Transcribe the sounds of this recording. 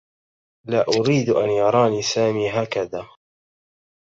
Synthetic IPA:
laːʔʊɾiːd̪ʔanjɑɾˤɑːniːsaːmiːɦaːkaðaː

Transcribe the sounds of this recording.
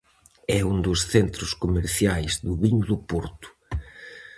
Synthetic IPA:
ɛund̪ʊsθent̪ɾʊskomeɾθjajzðʊβiɲðʊpɔɾt̪ʊ̥

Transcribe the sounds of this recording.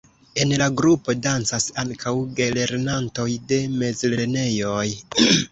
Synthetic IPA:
e̞nlaɡɾupo̞dant͡sasaŋkʰawɡe̞le̞ɾnanto̞jde̞me̞zleene̞jo̞j

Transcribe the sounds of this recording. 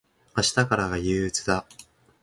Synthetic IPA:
aɕi̥t̪akaɾaɡajɯ̟ːt͡sɨd̪a

